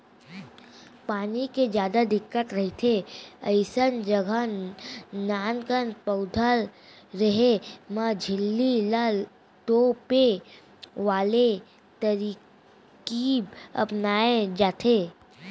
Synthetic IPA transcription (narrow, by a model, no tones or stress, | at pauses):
paːniked͡ʒjaːd̪ad̪ɪkːət̪ɾɐɦit̪ʰeəɪsənd͡ʒəɡʱə | naːnkənpəʊd̪ʱəl | ɾɐɦeməd͡ʒʱɪlːiləl | t̪oːpe | ʋaːle | t̪əɾiː | kiɐ̰pnaːẽd͡ʒaːt̪ʰeː